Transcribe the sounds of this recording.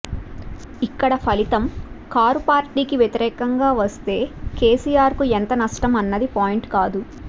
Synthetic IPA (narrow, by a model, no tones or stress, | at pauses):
ikːɐɽɐpʰɐlit̪ɐmkaːɾupaːɾʈiːkiʋjet̪iɾɛːkɐŋɡaːʋɐst̪e̞ːkeːsiːjaːɾkuent̪ɐnɐʂʈɐmɐnːɐd̪ipaːjiɳʈkaːd̪u